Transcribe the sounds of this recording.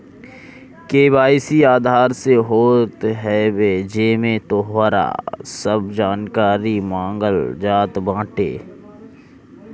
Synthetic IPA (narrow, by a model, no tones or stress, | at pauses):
keːbaːɪsiaːd̪ʱaːɾseɦoːt̪ɦɛːbed͡ʒeːmẽt̪oɦaɾa̰ːsəbd͡ʒaːnkaːɾimãːŋɡəld͡ʒaːt̪bãːʈḛː